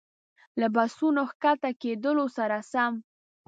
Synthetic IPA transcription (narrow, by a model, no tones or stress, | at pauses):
labasunoxkat̪aked̪əlosaɾasam